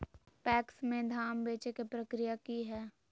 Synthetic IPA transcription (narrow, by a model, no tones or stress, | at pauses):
pɛːksmẽd̪ʱaːmbeːt͡ʃekepɾəkɾijakiɦɛː